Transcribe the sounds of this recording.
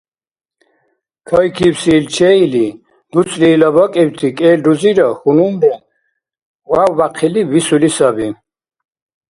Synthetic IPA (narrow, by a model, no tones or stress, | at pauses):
kʰɔjkʰiwsiːlt͡ʃʰɛili | d̪̥ut͡sʰʼlilɔbɔkʼɛwt̪ʰikʼɛːld̪uziɾɔxunumdɛn | wawːaqʰilivisulisabin